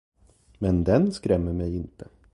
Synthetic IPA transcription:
mɛnd̪ɛnskɾɛmːəɾmɛjɪnt̪ʰə

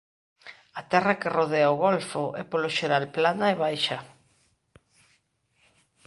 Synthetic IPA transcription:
ɐt̪ɛrakɪroðeaoɣolfʊʔɛpoloʃeɾalplanaɛβajʃɐ

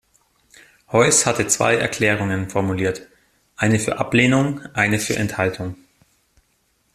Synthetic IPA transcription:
hɔʏshatət͡sv̥a̰ɪʔɛɐkʰl̥ɛːʁ̞ʊŋənfɔɐmuliːɐt | ʔaɪnəfyːɐʔapleːnʊŋʔaɪnəfyːɐʔɛ̰nthaltʰʊŋ

